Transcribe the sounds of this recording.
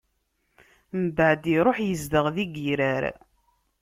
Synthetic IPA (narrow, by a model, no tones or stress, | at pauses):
mbəʕd̪iɾˤoħjəzd̪əʁðiɡiɾæɾ